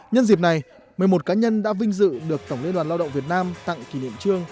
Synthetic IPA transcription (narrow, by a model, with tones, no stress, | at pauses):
ɲə˧nzi˨˩p̚na˨˩j | mɨ˨˩ə˩mo˨˩t̚kaː˨˦ɲə˧nɗa̰ː˧˥vï˧ŋ̟zɨ̰˧˨ɗɨ˨˩ək̚t̪ə˧˩wŋ͡mlənɗwaː˨˩nlaː˧wɗə̰˧˨ŋ͡mvət̚naː˧mt̪a̰˧˨ŋki˧˩nḭ˧˨əmt͡ɕɨ˧əŋ